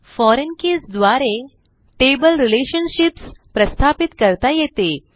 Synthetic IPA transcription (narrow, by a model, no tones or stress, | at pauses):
fɔɾenkesd̪ʋaɾe | ʈebəlɾileɕənɕipspɾəst̪ʰapit̪kəɾt̪ajet̪e